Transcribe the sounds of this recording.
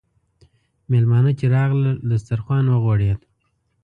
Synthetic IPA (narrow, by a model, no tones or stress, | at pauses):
melmɑnət͡ʃeɾɑɣlad̪əst̪aɾxwɑnwəɣwɑɽed̪